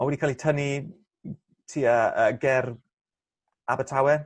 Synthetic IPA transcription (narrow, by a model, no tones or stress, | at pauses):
ɔwɛdikʰalitʰəni | tʰiːəəɡɛr | abətʰawɛn